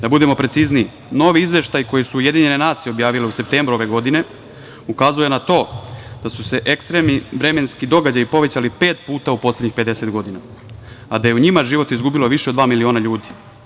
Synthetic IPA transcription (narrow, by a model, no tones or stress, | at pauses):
d̪abud̪e̞mo̞pɾe̞t̪sizni | no̞ːʋiizʋje̞ʃt̪ajko̞jisuːje̞d̪iɲe̞ne̞naːt̪sijeo̞bjaːʋile̞use̞p̚t̪e̞ːmbɾuo̞ʋe̞ɡo̞d̪ine̞ | ukazuje̞nat̪o̞ːd̪̥asuse̞ʔekst̪ɾemniʋɾe̞me̞nskid̪o̞ɡad͡ʑajipo̞ʋe̞t͡ɕalipe̞ːt̪̚puːt̪aupo̞sle̞dɲixpe̞d̪e̞se̞t̪ɡo̞d̪ina | ad̪aje̞uɲimaʒiʋo̞t̪izɡubilo̞ʋiʃe̞od̪ʋaːmilio̞ːnaʎuːd̪i̥